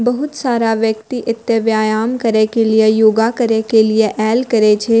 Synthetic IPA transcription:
bɐɦʊt̪saːɾaʋjəkt̪iʔɪt̪jəʋjaːjaːmkɐɾekeliejoːɡakɐɾekelieʔɛːlkɐɾet͡ʃʰe

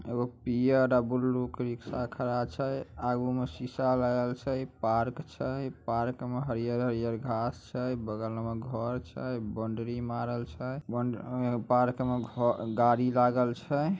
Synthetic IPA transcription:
ḛɡopijəɾabulːukɾiksakʰəɾat͡ʃʰəjaɡumesisalaɡəlt͡ʃʰəjpaɾkt͡ʃʰəjpaɾkmeɦəɾijəɾɦəɾjəɾɡʱast͡ʃʰəjbəɡələmeɡʱɔɾt͡ʃʰəbəɳɖɾimaɾəlt͡ʃʰəjbəpaɾkmeɡʱɔɡaɾilaɡəlt͡ʃʰə

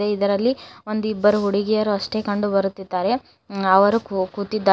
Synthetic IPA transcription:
eid̪ɐɾɐlːio̞nd̪uibːɐɾuɦuɽiɡɛjɐɾuɐʂʈe̞ːkɐɳɖubɐɾut̪ːid̪ːaːɾe̞ | ɐʋɐɾukukuːt̪id̪ːa

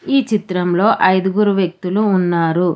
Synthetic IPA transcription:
iːt͡ʃit̪ɾɐmlo̞ːʔɐjd̪uɡuːɾuʋjɐk̚t̪uluːnːaːɾu

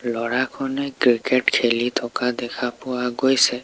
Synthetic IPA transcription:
lɔɹakʰɔnɛkɹikeʈkʰelit̪ʰɔkad̪ɛkʰapʊwaɡojsɛ

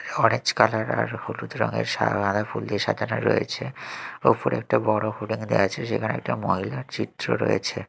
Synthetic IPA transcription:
ɔnet͡ɕkalaɾaɾhulut̪ɾɔŋeɾʃa̰ad̪ʱafulːiʃad̪ʱanaɾːojet͡ɕʰeopoɾɛk̚ʈabɔɽohuʈiŋd̪eat͡ɕʰeʃekʰaneɛk̚ʈamoɦilaɾt͡ɕit̪ːɾoɾojet͡ɕʰe

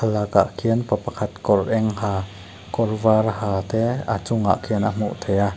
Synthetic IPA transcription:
alaka̰ʔkʰiənpɐpɐkʰat̪kɔrʔɛŋhaː | kɔrvarhaːt̪ɛat͡sʊŋa̰ʔkʰiənam̥ṵʔt̪ʰeja

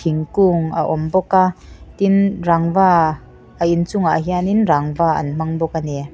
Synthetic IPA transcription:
iŋkuŋa̰ʔɔmbɔkat̪inraŋvaː | əint͡suŋaʔɦianinraŋvaːɐ̰nm̥aŋbɔkanɛ

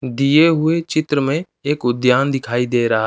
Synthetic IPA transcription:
d̪ijeɦʊet͡ʃɪt̪ɾəmẽ | eːkʊd̪jaːnd̪ɪkʰaːid̪eːɾɐɦa

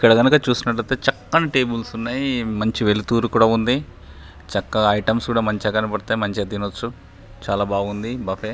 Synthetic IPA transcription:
ikːɐɽɐɡɐnukɐt͡ʃuːsinɐʈlɐjt̪eːt͡ʃɐkːɐniʈe̞ːbulsunːaːjimɐɲt͡ʃiʋelit̪uːɾukuːɽaːund̪i | t͡ʃɐkːɐɐjʈɐmskuːɽaːmɐɲt͡ʃɐɡɐnipɐɽt̪aːjimɐɲt͡ʃiɐd̪inot͡ʃːu | t͡ʃaːlaːbaːɡund̪ibɐfeː

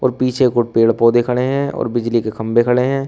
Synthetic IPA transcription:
ɔ̰ːɾpiːt͡ʃʰekoʈpeːɽpoːd̪ekʰɐɽeɦɛ̃ːɔ̰ːɾbɪd͡ʒlikekʰɐ̃mbekʰəɽeɦɛ̃ː

